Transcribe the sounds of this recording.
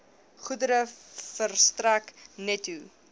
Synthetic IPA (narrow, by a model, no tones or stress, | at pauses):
χudəɾəfərstræknɛtu